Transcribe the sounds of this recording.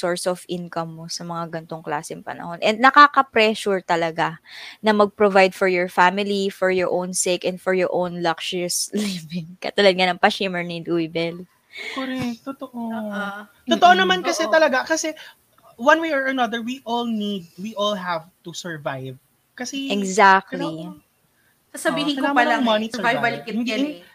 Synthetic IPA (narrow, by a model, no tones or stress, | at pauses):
soɹsɔvʔɪnkɐmːosɐmɐŋaɡɐnt̪oŋkla̰ːsɛŋpɐ̰nɐ̰honʔɛ̃nd̪̚nɐkaːkɐpɾɛʃuɹt̪ɐlɐɡanɐmɐɡ̚pɾovajd̪fɔɹjɔɹfamɪlifɔɹjɔɹʔownsekɛ̃nd̪fɔɹjɔɹʔõwnlɐkʃʊɹslivɪŋkɐ̰t̪ɐlɐd̪̚ŋanɐŋpɐʃimɛɹnid̪ujbɛl | koɾɛt̪oʔo | t̪ot̪oʔonɐmankɐsɛt̪ɐlɐɡakɐsɛ | wɐ̃nwejɔɹɐnɐd̪əɹwiʔɔlnid̪̚wiʔɔlɦavt̪usɛɹvajv | kɐsɛɛɡzak̚t̪li | sɐsɐbiːhɪ̃nkopɐllɐŋmɐnivajvbɐlɪkɪtɡɐ